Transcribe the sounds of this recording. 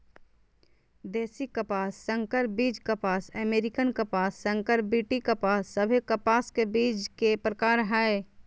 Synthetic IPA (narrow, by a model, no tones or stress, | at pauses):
d̪eːsikəpaːsːə̃ŋkəɾbiːd͡ʒkəpaːsəmeːɾɪkənkɐpaːsːə̃ŋkəɾbiːʈikɐpaːsːəbʱekɐpaːskebiːd͡ʒkepɾəkaːɾɦɛe